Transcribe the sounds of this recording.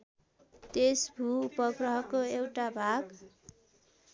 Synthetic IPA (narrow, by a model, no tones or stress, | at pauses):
t̪esbʱuːpʌɡrʌɦʌkoewʈabʱaɡ